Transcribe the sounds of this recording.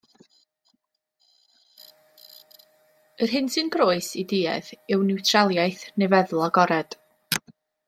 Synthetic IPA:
ərɦɪnsɨnɡroːɨsidiːɛ̰ðɪwnɪwtʰrɛlˠjajθnɛvɛðl̩ˠaɡɔɾɛd̥

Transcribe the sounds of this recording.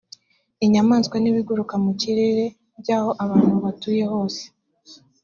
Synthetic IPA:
iɲamaːnskwaniβiɡuɾukamuciɾe̞ɾe̞ | bɟaːho̞ʔaβaːn̥huβatuːje̞ho̞ːse̥

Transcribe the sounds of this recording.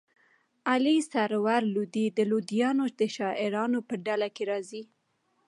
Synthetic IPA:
alisaɾwaɾlud̪id̪əlud̪ijɑnoʃd̪əʃɑʔɪɾɑnopəɖalakeɾɑzi

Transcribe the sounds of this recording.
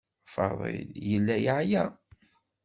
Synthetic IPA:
fɑ̰ðˤḛljəlːæjʕjæ

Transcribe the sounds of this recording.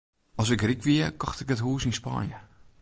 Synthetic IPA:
ɔs̬ɪkrikʋiəkɔ̰xtɪkətɦuːsinspa̰njə̰

